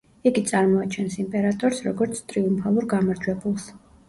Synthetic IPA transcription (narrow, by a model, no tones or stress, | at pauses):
iɡit̪sʼaɾmɔat͡ʃʰɛnsimpʼɛɾat̪ʼɔɾsɾɔɡɔɾt̪sʰt̪ʼɾiumpʰalˠuɾɡamaɾd͡ʒwɛbulˠs